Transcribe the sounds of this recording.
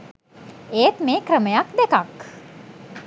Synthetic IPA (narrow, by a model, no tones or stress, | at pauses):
eːt̪meːkɾəməjakd̪ekak